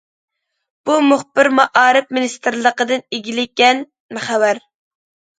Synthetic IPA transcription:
b̥umʊχbɪɾmɑʔɑːɾɨp̚minist̪ɨɾlˠəqəd̪ɨneɡʲilɪkʲɛn | mχæwæɾ

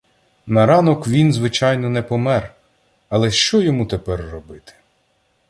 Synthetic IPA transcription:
nɐɾɑnɔkʋʲinzʋɪt͡ʃɑjnɔnɛpɔmɛr | ɐlˠɛʃt͡ʃɔjɔmut̪epɛrːɔbɪt̪ɪ̥

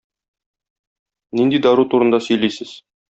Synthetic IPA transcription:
nind̪id̪ɒɾut̪uɾɤ̆nd̪ɑsɵ̆jlisɘz̥

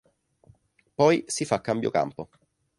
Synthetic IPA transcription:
pɔjsifakːambjo̰ka̰mpo

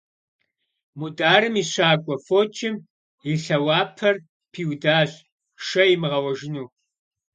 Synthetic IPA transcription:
mudaːɾɨmiːɕaːkʷʼɔfoːt͡ʃʰʼɪm | iɬɐwaːpʰɐr | pʰiːwdaːɕʼ | ʃɐjɪmɨʁɐwɐʒɪnuː

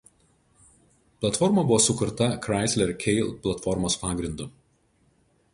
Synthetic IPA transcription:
plˠɐt̪fɔɾmɐbʊʋoːsʊkʊɾt̪ɐkɾɑˑɪsʲlʲɛɾkʲʰɛɪlʲˠplˠɐt̪fɔɾmoːspɑːɡɾʲɪnd̪ʊ

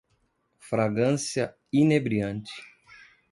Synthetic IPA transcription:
fɾaɡɐ̃sjɐ | inebɾiɐ̃nt͡ʃɪ̥

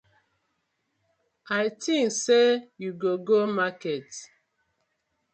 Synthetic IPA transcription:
ajtĩŋsejuɡoɡomakɛt

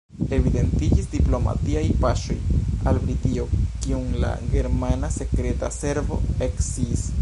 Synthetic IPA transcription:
e̞vide̞ntid͡ʒisdiplo̞ma̰tiajpaʃo̞̰jalbɾitiokiuŋla̰ɡe̞ɾmanase̞kɾe̞ta̰se̞ɾvo̞eksis

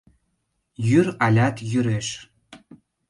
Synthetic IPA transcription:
jyɾɑlʲɑt̪jyɾeʃ

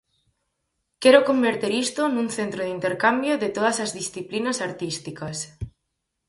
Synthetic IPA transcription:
kɛɾokombeɾt̪eɾist̪onũŋθent̪ɾoð̞int̪eɾkambjoðɪt̪oð̞ɐsɐzðisθiplinɐsaɾt̪ist̪ikɐs

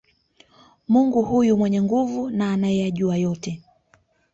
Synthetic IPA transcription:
muŋɡuhujumwɛɲɛŋɡuvunaːnajɛjaʄuajɔtɛ

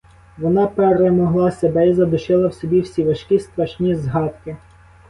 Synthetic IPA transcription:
ʋɔnɑpeɾemɔɦlˠɑsebɛizɐd̪ʊʃɪlˠɐwsʲɔbʲiwsʲiʋɐʃkʲist̪ɾɐʃnʲizɦɑt̪kɪ

